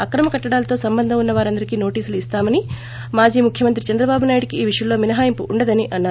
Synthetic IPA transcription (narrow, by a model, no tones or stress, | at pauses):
ɐkɾɐmɐkɐʈːɐɽaːlɐt̪o̞ːsɐmbɐnd̪ʱɐmunːɐʋaːɾɐnd̪ɐɾikiːno̞ːʈiːsuluist̪aːmɐni | maːd͡ʒiːmukʰjɐmɐnt̪ɾit͡ʃɐnd̪ɾɐbaːbunaːjuɽikiːʋiʂjɐmlo̞ːminɐɦaːjɐmpuʔuɳɖɐd̪ɐniʔɐnːaː